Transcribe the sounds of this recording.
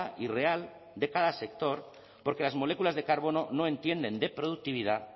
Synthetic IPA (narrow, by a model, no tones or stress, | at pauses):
ire̞al | d̪e̞kað̞ase̞k̚t̪o̞ɾ | po̞ɾke̞lazmo̞le̞kulazðe̞kaɾβo̞no̞no̞e̞nt̪je̞nd̪e̞nd̪e̞pɾoðuk̚t̪iβ̞iða